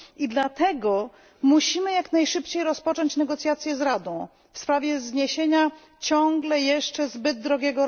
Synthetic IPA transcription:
id̪lat̪ɛɡɔ | muɕimɘjaknajʂɘpt͡ɕejɾɔspɔt͡ʂɔɲt͡ɕnɛɡɔt̪sʲjat̪sʲjɛzɾad̪ɔ̃w̃ | fspɾavʲjɛzɲeɕeɲa | t͡ɕɔŋɡlɛjɛʂt͡ʂɛzbɘd̪̚ːɾɔɡʲɛɡɔɾ

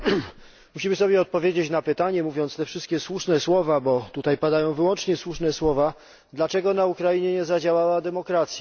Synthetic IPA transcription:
muɕimɘsɔbʲjɛɔt̪̚pɔvʲjed͡ʑet͡ɕnapɘt̪aɲɛmuvʲjɔnst̪ɛfʂɘst̪̚kʲɛswuʂnɛswɔvabɔt̪ut̪ajpad̪ajɔ̃w̃vɘwɔnt͡ʂɲɛswuʂnɛswɔva | d̪lat͡ʂɛɡɔnaukɾajiɲɛɲɛzad͡ʑawawad̪ɛmɔkɾat̪sʲja

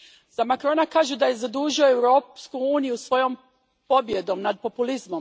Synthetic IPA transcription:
z̥amakɾo̞nakaːʒud̪aje̞zad̪uːʒioewɾo̞ːpskuuːnijusʋo̞jo̞m | po̞bje̞d̪o̞mnad̪̚po̞pulizmo̞m

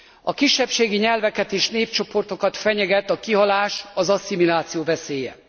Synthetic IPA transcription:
ɒkiʃːɛpʃeːɡiɲɛlvɛkɛt̪eːʃneːpt͡ʃo̞po̞rt̪o̞kɒt̪fɛɲɛɡɛt̪ːɒkiɦɒlaːʃɒzɒsimilaːt̪sijoːvɛseːjɛ̰

